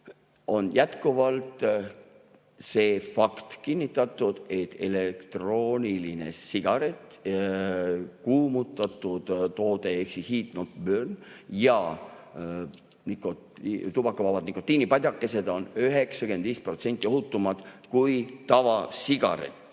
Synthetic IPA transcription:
o̞njæt̪kuvɑlt̪ | se̞ːfɑkt̪kinʲːit̪ːˑɑt̪ːˑud̪̥e̞t̪ːele̞kt̪ro̞ːnʲiline̞̰siɡ̥ɑɾe̞t̪ˑ | kuːmut̪ːˑɑt̪ːˑud̪̥t̪o̞ːd̪e̞eksihiːt̪not̪børnjɑ | niko | t̪ubɑkːɑvɑvɑd̪nikːˑo̞t̪ːˑiːnipɑd̪ʲɑkːˑe̞se̞d̪̥o̞nyɦe̞ksɑkend̪̥viːspro̞t̪se̞nʲt̪ʲːˑio̞ɦut̪ːˑumɑd̪̥kujt̪ɑvɑsiɡ̥ɑ̰ɾḛt̪

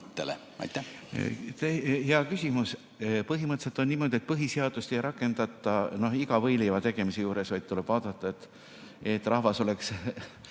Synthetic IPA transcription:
t̪ːelḛ | ɑ̰jt̪ːæ̰ | t̪eheɑkysʲimus | pɤɦimɤt̪ːse̞t̪ːˑo̞nniːmo̞d̪ie̞t̪̚pɤɦiseɑd̪̥ust̪e̞jɾɑkːˑe̞nd̪̥ɑt̪ˑːɑno̞hiɡɑvɤjlivɑt̪e̞ɡ̥e̞mise̞juːɾe̞svɑjd̪̥̚t̪ule̞b̥vɑːd̪̥ɑt̪ːˑɑet̪ːˑ | et̪ːrʔɑhvɑso̞le̞ks

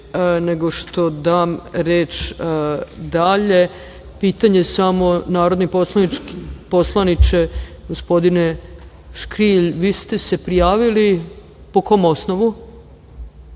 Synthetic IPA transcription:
ne̞ɡo̞ʃt̪od̪aːmɾeːt͡ʃ | d̪aʎe̞ | piːt̪aɲesamo̞naːɾod̪nipo̞slˠanit͡ʃkposlˠanit͡ʃeɡ̥ospo̞d̪ine̞ | ʃkɾiʎʋiːst̪e̞se̞pɾijaːʋili | po̞ko̞ːmo̞snoʋu

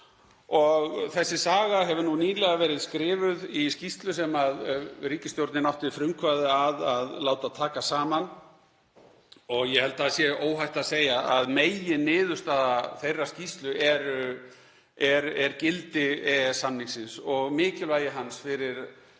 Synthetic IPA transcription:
ɔɣθɛsːɪsaːɣaɦɛvʏnuniːlɛɣavɛːɾɪðskɾɪːvʏðiscist̪lʏsɛmaðɾiːcɪst̪jowɾt̪nɪnawht̪ɪfɾʏmkʰvaðɪaðaðlaːwt̪aðt̪ʰaːkasaːman | ɔɣjɛhɛlt̪asjɛoːwɦajht̪aðseːjaaðmejɪnɪːðʏst̪aðaθejrːascist̪lʏʔɛɾ | ɛɾɛɾcɪlt̪ɪɛɛsːamniŋsɪnsɔɣmɪːcɪlvaːjɪɦansfɪɾɪɾ̥

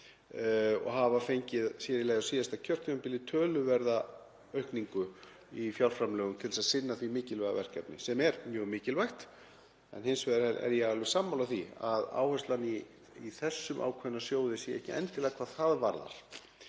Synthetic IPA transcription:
ɔ̰ɣɦavafejɲcɪðsjɛɾɪlɛːɣðasiːðast̪acʰœr̥t̪œnpɪlɪt̪ʰœːlʏvɛɾða | œɥhkniŋkʏ | ifjawl̥fɾamlɛːɣʏmt̪ʰɛlsaðsɪnːaθvimɪːcɪlvɛɣa̰vɛ̰r̥kɛpnɪ̰sɛmɛɾmjœːɣmɪːcɪlvajxt̪ | ɛ̰nhɪnsvɛðɾhɛlɛ̰ɾjɛɣɛlvɪsamːawlaθiaða̰ːwhœst̪lani | iθɛsːʏmʔa̰ːwkʰvɛnːasjoːwðɪsjɛɛ̰hcɪʔɛ̰nt̪ɪlɛːɣakʰvaːðθaðvaɾða̰ɾ̥

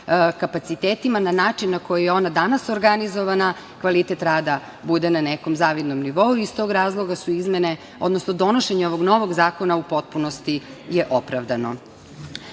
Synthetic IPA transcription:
kapat̪sit̪eːt̪imananaːt͡ʂinːako̞jijeo̞nad̪anasoɾɡanizo̞ʋana | kʋalit̪et̪ɾaːd̪a | bud̪enaneko̞mzaːʋid̪nomniʋo̞uist̪o̞ɡɾaːzlˠo̞ɡasuizmene̞ | o̞d̪nosnod̪o̞no̞ʃeɲeo̞ʋo̞ɡno̞ʋoɡzaːkonaupo̞t̪̚puno̞st̪i | jeʔo̞pɾaʋd̪ano̞̰

